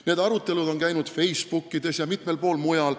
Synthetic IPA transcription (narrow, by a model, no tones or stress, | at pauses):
ne̞ːd̪ɑɾut̪ːˑe̞lud̪o̞nkæjnud̪̥fe̞jspukːid̪̥e̞sjɑmit̪me̞lpo̞ːlmujɑl